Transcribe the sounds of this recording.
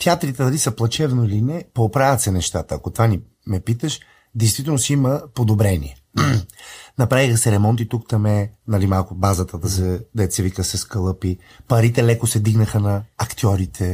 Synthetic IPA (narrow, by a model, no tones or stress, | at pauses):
t̪ʲiat̪ɾit̪ɛd̪ɐlisəplˠɐt͡ʃɛvnoilinɛpoːpɾavʲət̪sɛnɛʃt̪at̪əɐkot̪vani | mɛpit̪əʃ | d̪ɛjst̪vit̪ɛlˠnosiiməpod̪obɾɛnḭɛ | nɐpɾavixəsɛɾɛmɔnt̪it̪ukt̪ɐmɛnɐlimalˠkʊbazət̪əd̪ɐsɛd̪ɛt̪sɛvikəsɛskəlˠɤpi | pɐɾit̪ɛlɛkosɛd̪iɡnəxənɐɐkt̪iɔɾit̪ʰɛ